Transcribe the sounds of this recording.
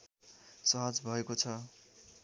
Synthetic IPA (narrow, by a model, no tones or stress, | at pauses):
sʌɦʌd͡zbʱʌekot͡sʰʌ